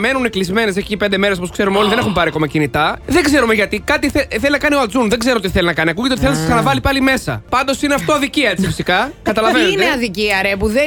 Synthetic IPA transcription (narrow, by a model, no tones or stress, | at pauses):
me̞nuneklizme̞nesecipend̪e̞meɾs̬oposkse̞ɾumeo̞liðee̞xumpɐɾiɐko̞mɐcinit̪ɐðeɡze̞ɾume̞ʝɐt̪ikɐt̪iθeθe̞linɐkɐnioɐd͡zunðeɡzeɾot̪iθelinɐkɐniɐkuʝet̪et̪iθelnɐsɐsɐnɐvɐlipɐlime̞sɐ̰pɐnd̪osineɐft̪o̞ɐðiciɐet͡sifi̥sikɐkɐt̪ɐlɐvenɐðiciɐɾepuðe